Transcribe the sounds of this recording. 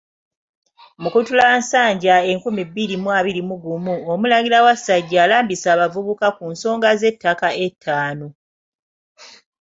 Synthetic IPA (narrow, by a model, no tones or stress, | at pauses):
mukutulaːnsaːɲɟae̞ŋkumibiɾimwaːβiɾimuɡumuomulaɡiɾawasaɟːaːlaːmbisaːβavuβukakunso̞ːŋɡaze̞tːakaʔe̞tʰːaːno